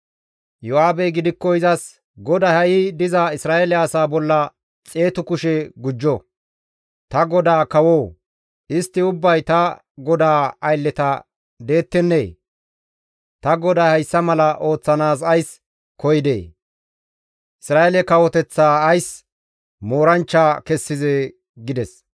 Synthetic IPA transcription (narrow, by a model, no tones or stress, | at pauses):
jɔaːbɛɡɪd̪ɪkːɔɪzɐs | ɡɔd̪ɐhɐjɪd̪ɪzɐɪsɾaːelɛɐsaːbɔlːɐ | t͡sʼe̞ːt̪ʊkʊʃɛɡʊd͡ʒːɔ | t̪ɐɡɔd̪aːkɐwo̞ː | ɪst̪ːɪʊbːɐjt̪ɐ | ɡɔd̪aːɐjlːɛt̪ɐ | d̪e̞ːt̪ːɛnːeː | t̪ɐɡɔd̪aːhɐjsːɐmɐlɐʔo̞ːt͡sːɐnaːsɐjs | kɔjd̪ḛː | ʔɪsɾaːelɛkɐwɔt̪ɛt͡sːaːɐjs | moːɾɐnt͡ʃːaːkɛsːɪzeː | ɡɪd̪ɛs